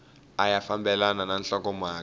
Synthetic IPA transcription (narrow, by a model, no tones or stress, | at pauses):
ajafambɛlanananɬɔk̬ɔmaːk